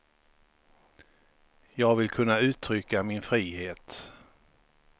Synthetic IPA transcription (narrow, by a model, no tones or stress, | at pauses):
jɑːɡvɪlkʰɵnːaʉ̟ːt̪ʰɾʏkːamɪnfɾiːheːt̪